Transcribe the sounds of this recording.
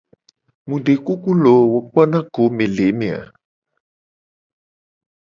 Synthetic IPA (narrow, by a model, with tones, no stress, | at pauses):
mũ˨ɖe˨ku˦ku˦lo˨˦wo˨k͡pɔ˦nã˦ko˨˦mẽ˨le˨˦mẽ˨a̰˨